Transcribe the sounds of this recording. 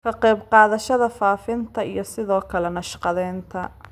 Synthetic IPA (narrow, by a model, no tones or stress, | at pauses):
kʰɐqɛjbqɑːðɐʃɐðɐfaːfɪnt̪ʰɐḭjɞsɪðɔːkʰɐlɛnɐʃqɑðɛːnt̪ʰɐ